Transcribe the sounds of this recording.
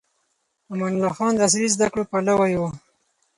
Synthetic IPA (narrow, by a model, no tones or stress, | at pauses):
amanʊlɑxɑnd̪əas̬iɾizd̪akɽopalawajwo